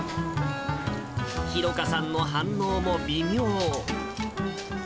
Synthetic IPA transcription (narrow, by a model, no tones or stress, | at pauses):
çiɾo̞kasãnːo̞ɦãnːo̞ːmo̞bʲimʲjoː